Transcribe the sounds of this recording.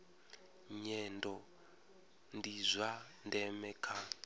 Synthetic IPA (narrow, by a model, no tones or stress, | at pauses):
ɲɛndɔ | ndizʷa | ndɛmɛkʰa